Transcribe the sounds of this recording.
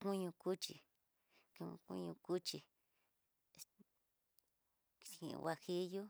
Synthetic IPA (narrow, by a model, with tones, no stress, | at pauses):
kũ˦ɲũ˧ku˦t͡ʃḭ˧ | ki˧ŋ̃˧kṵ̃˦ɲũ˧ku˦t͡ʃi˧ | ḭ̃˧˨˧wa˧hi˦ju˦